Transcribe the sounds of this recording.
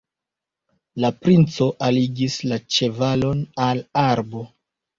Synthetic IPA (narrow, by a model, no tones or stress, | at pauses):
lapɾint͡so̞ʔaliɡislat͡ʃe̞valo̞nalaɾbo̞